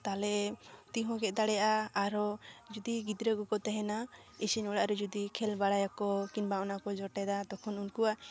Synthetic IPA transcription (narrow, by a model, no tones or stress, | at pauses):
t̪alɛt̪iɦɔ̃ɡɛʔ̚ˀd̪aɽɛjaʔaaɾɔd͡ʒud̪iɡid̪ɾəɡɔkɔt̪ɛɦɛna | isinɔɽaʔɾɛd͡ʒud̪ikʰɛlbaɽajakɔkinbaɔnakɔd͡ʒɔʈɛd̪ad̪ɔkʰɔnunkua